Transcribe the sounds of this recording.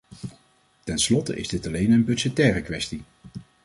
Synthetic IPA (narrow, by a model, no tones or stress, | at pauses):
tɛnslɔtə̰ʔɪ̰zdɪtɑlejnənbɵʒ̥ɛtɛːrəkʋɛsti